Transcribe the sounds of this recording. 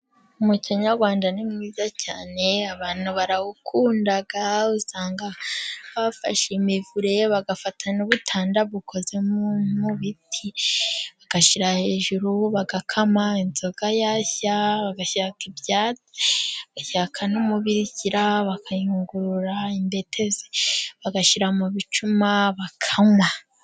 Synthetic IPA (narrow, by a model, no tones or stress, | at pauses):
umuciɲaɾɡwaːndanimŋiːzaca̰ːne̞aβaːn̥uβaɾawukʰuːndaɡausaːŋɡaβafa̰ʃemivuɾe̞βaɡafatʰanuβutʰaːndaβukʰo̞ze̞mumuβitʰiβaɡ̥aʃiɾahe̞ːʒuɾuβaɡakʰamainzo̞ɡajaːçaβaɡaʃakibjaːt͡se̥aɡ̥aʃakʰanomuβiɾiɟiɾaβakʰaiŋɡuɾuɾaimbe̞tʰe̞ze̥βaɡaʃiɾamuβit͡ʃumaβakʰaŋwa